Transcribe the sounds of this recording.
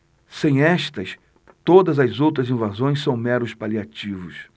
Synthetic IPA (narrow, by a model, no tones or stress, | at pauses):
sẽj̃ɛʃt̪ɐs | t̪od̪ɐzɐzowt̪ɾɐzĩvazõj̃sɐ̃w̃mɛɾʊspaliat͡ʃivʊs